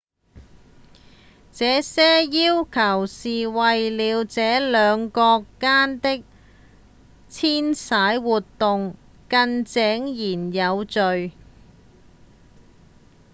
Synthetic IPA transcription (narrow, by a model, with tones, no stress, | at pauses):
t͡sɛː˨˥sɛː˥jiː˥wkʰɐ˨˩wsiː˨wɐ˨jliː˨˧wt͡sɛː˨˥lœː˨˧ŋkɔː˧kːaː˥nt̪ɪ˥k̚ | t͡sʰiː˥nsaː˨˥jwuː˨tt̪ːʊ˨ŋ | kɐ˧nt͡sɛː˨˥ŋjiː˨˩njɐ˨˧wt͡sɵ˨ɥ